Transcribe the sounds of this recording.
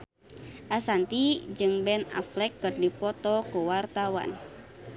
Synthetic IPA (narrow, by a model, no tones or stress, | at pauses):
ʔasant̪id͡ʒɨŋbɛna̰flɛkːɨrdipɔt̪ɔkuwart̪awa̰n